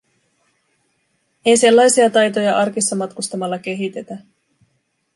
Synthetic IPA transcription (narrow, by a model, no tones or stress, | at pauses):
e̞jse̞lːɑjsiɑt̪ɑjt̪o̞jɑʔɑrkisːɑmɑt̪kust̪ɑmɑlːɑk̟e̞ɦit̪e̞t̪æ